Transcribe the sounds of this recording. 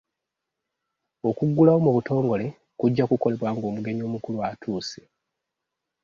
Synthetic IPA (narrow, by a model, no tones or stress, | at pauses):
o̞kuɡːulawo̞muβuto̞ːŋɡo̞le̞ | kuɟːakuko̞le̞βwaːŋɡo̞ːmuɡe̞ɲo̞ːmukuluatʰuːse̥